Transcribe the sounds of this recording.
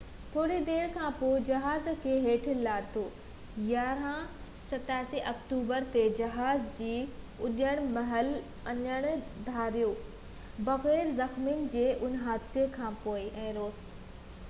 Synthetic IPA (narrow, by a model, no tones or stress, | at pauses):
t̪ʰoːɽed̪eːɽkʰãːpoːɪd͡ʑɐɦaːzkʰeːɦeːʈ̆ʰlaːt̪ʰoː | jaːɾã | sɐt̪aːsiʔɐkʈuːbəɾt̪ed͡ʑɐɦaːzd͡ʑiː | ʊʄəɽ̃mɐɦəl | ɐɲəɽ̃d̪ʱaːɾijoː | bɐɣɛːɾzɐxmiʊnɪ̆d͡ʑeːʔʊnɦaːd̪sekʰãːpoːɪʔɛ̃ːɾoːs